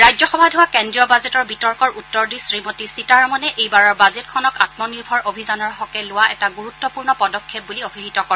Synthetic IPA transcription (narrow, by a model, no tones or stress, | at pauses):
ɹajd͡ʒzɔxɔbʱadʱʊwakɛndɹiɔbazetɔɹbitɔɹkɔɹʔutːɔɹdisɹimotisitaɹmɔnɛʔejbaɹɔɹbazetkʰɔnɔkatmɔniɹbʱɔɹobʱizanɔɹɦɔkɛlʊwaɛtaɡuɹutːɔpuɹnɔpɔdɔkʰːep̚buliobʱiɦitɔkɔɛ